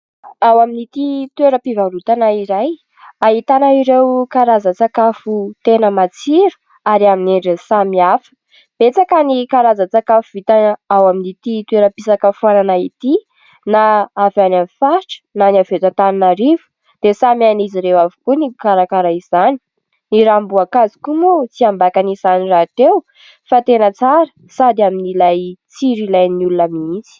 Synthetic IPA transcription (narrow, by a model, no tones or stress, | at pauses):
awaminit̪it̪weɾəpivaɾut̪anaiɾaj | aɦit̪anaiɾewkaɾazat͡sakafut̪enəmat͡siɾu̥ | aɾiamineɳɖ͡ʐesamiafə̥ | b̥et͡sakanikaɾazat͡sakafuvit̪anəawaminit̪it̪weɾəpisakafuananait̪i | naavanamifaɾʈ͡ʂə̥nanavet̪at̪aninaɾivu̥ | d̪̥esamianiziɾewavu̥kunikaɾakaɾaiz̥ani̥ | niɾambuakazi̥kumut͡siambakanizanirat̪ew | fat̪enət͡saɾə | sad̪aminilajt͡siɾilajniulunəmiit͡si̥